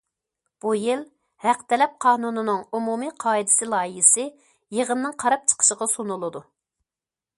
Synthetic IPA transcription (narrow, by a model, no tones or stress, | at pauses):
b̥ujɪl | hæqt̪ʰɛlɛp̚qʰɑːnunɨnɨŋumumiqʰɑːid̪ɪ̥sɪlˠɑːiɦɪsɪ | jeʁənnɨŋqʰɑɾɑp̚t͡ʃʰə̥qʰə̥ʃəʁɑsunulˠɨd̪u